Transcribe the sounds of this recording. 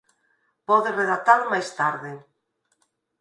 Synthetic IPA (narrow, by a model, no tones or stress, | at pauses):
pɔðɪreðat̪almajst̪aɾðɪ